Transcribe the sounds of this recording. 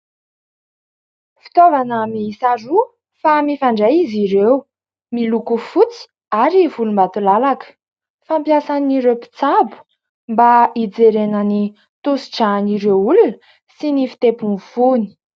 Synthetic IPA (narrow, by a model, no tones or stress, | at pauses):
fi̥t̪ovanəmisaɾu | famifaɳɖ͡ʐejiziɾew | milukufut͡si̥ | aɾivulumbat̪ulalakə̥ | fampjasaniɾewpi̥t͡sabu̥ | mbaid͡zeɾenəni | t̪usiʈ͡ʂaniɾewulunə | sinifi̥t̪epunfuni̥